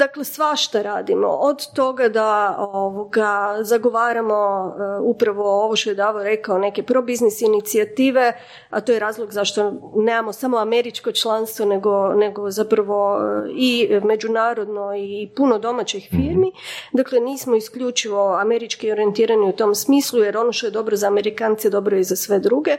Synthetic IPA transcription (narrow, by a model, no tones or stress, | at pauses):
d̪aklesʋaʃt̪aɾaːd̪imo̞̰ʔod̪t̪o̞ɡad̪aoʋoɡazaɡo̞ʋaːɾamo̞upɾaʋo̞oʋoʃt̪o̞je̞d̪aːʋoɾe̞kaone̞ke̞pɾo̞biznisinit̪siat̪iːʋe̞ | at̪ojeɾaːzlˠoɡzaʃt̪o̞nemamosamoame̞ɾit͡ʃko̞t͡ʃlˠanst̪ʋo̞ne̞ɡone̞ɡozapɾaʋo̞ime̞d͡ʒunaːɾo̞d̪no̞ipuno̞d̪o̞mat͡ɕixfiːɾmid̪akleniːsmo̞iskʎʲut͡ʃiʋo̞ame̞ɾit͡ʃkio̞ɾie̞nt̪iːɾaniut̪o̞msmiːslˠujeɾo̞noʃt̪oe̞d̪o̞bɾozaːme̞ɾikant̪sed̪o̞bɾoizasʋe̞d̪ɾuɡe̞